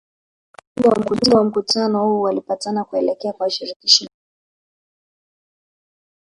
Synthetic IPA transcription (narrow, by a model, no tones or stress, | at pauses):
udɛwam̩kutiɔwam̩kutanɔhualipatanakuɛlɛkɛakwaʃiɾikiʃa